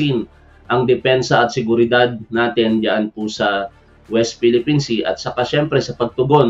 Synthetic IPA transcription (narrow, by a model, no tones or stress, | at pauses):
in | ʔɐŋd̪ɛpɛnsɐɐt̪̚sɪɡʊɾɪd̪ad̪̚naːt̪ɪnjaʔɐnpʊsɐ | wɛst̪̚filɪpinsiʔɐ̰t̪̚sɐkaʃɛmpɾɛsɐpɐɡ̚t̪ʊɡo̞n